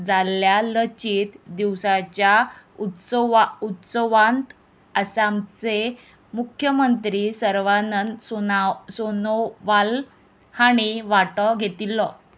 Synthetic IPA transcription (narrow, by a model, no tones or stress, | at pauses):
d͡zaljalət͡ɕiːt̪d̪iwsat͡ɕjaut̪saut̪səʋãnt̪ | əsamt͡se | mukʰjəmənt̪ɾiːsəɾʋanənosonoʋal | haɽ̃iʋaʈɔɡʱet̪ilːɔ